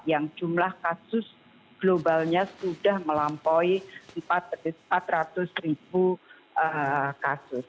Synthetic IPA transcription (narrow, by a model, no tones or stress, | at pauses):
jaŋd͡ʒumlahkasʊs | ɡ̥lobalɲasudahməlampɔjəmpat̪̚mpat̪rat̪ʊsribu | əkasʊs